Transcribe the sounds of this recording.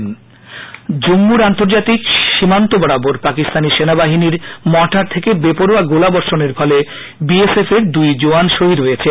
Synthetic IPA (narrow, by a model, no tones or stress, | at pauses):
n | d͡ʑomːuɾant̪oɾd͡ʑat̪ikʃimant̪obɔɽaboɾpakist̪aniʃenabaɦiniɾmɔʈʰaɾt̪ʰekebepoɾaɡolabɔɾʃoneɾfɔle | biesefeɾd̪ujd͡ʑoanʃoɦid̪ɦojet͡ɕʰe